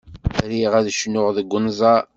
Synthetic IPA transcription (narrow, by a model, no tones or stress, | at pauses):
ɾiʁæðʃnʊʁðəɡʷːʊnzˤɑ